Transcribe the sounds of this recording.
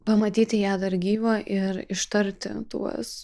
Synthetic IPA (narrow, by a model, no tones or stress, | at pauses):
pɐmɐt̪ʲiːt̪ʲɪjæːd̪ɐɾɡʲiːʋoːʔɪɾɪʃt̪ɐɾʲt̪ʲɪ̰t̪ṵɔs